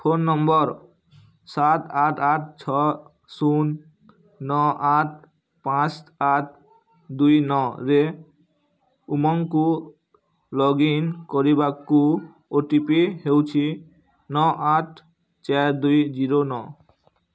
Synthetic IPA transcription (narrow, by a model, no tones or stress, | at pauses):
pʰonːɔmbɔɾ | sat̪aʈʰaʈ̚ʰt͡ɕʰɔ | sunː | ɔʔaʈ̚ʰ | pãt͡ʃaʈ̚ʰ | d̪ujnɔɾe | umɔŋku | lɔɡinkoɾibaku | oʈipehewt͡ɕʰi | nɔʔaʈʰ | t͡ʃaɾd̪ujd͡ʑiɾonɔ